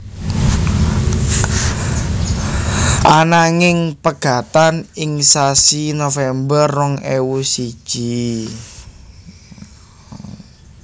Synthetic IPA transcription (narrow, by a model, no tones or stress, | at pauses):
ʔanaŋɪŋpəɡ̥a̤t̪anɪŋsasinofɛmbərːɔŋewusid̥ʒ̥i